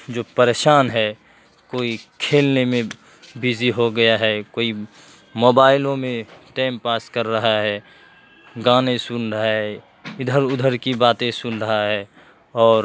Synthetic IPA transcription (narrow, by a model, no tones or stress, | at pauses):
d͡ʒoːpəɾeːʃaːnɦɛ | koːikʰeːlnemẽ | biziɦoɡəjaɦɛkoːi | moːbaːɪlõmẽʈɛːmpaːskəɾːəɦaɦɛː | ɡaːnesʊnɾəɦaɦɛ | ɪd̪ʱəɾʊd̪ʱəɾkibaːt̪ẽsʊnɾəɦaɦɛː | ɔːɾ